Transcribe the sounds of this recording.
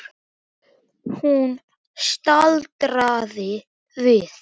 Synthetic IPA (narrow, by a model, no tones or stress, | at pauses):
hun | st̪alt̪ɾaːðɪ | vɪθ